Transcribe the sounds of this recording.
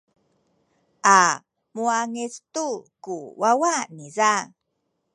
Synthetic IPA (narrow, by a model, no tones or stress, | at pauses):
ʔa | muaŋistukuwawaniza